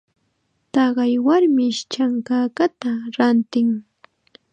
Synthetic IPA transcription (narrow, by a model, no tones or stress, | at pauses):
t̪ɑɢɑjwaɾmɪʃt͡ʃaŋkaːkat̪aɾant̪ɪŋ